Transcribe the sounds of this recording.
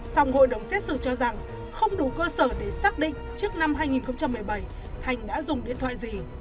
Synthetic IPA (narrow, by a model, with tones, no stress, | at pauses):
sa˧wŋ͡mho̰˧˨jɗə˨˩wŋ͡msɛ˦˥t̚sɨ̰˧˨t͡ɕɔ˧za˨˩ŋ | xə˧wŋ͡mɗu˧˩kəː˧səː˧˩ɗe˧˩saː˦˥k̚ɗḭ˧˨ŋ̟t͡ɕɨ˦˥ək̚na˧mɦaː˧jŋi˨˩nxə˧wŋ͡mt͡ɕa˧mːɨ˨˩əjɓa˧˩j | t̪ʰa˨˩jŋ̟ɗa̰ː˧˥zʊ˨˩ŋ͡mɗḭ˧˨ənt̪ʰwa̰ː˧˨jzi˨˩